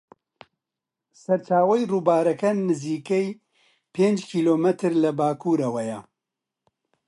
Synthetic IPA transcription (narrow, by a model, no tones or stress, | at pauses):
sɐɾt͡ʃaːwɐjruːbaːɾɐkɐnɨziːkɛj | pʰeːnd͡ʒkʰiːloːmɛt̪ʰɨɾlɐbaːkʰuːɾɐwɐjɐ